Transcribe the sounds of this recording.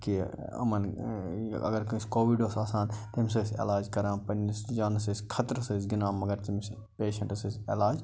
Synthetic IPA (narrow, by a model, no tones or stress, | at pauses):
ki | ɐ̰mɐn | ɐ̰ɡɐɾkɐsʲkoːʋiɖoːsaːsaːnt̪ɐms̬ɐsʲḛlaːd͡ʒkɐɾãːpɐnisd͡ʒaːnsəsʲkʰɐt̪ɾɐsəsɡɪnaːmɐɡɐɾt̪ims | peːʃɐ̃ɳʈsəsʲelaːd͡ʒ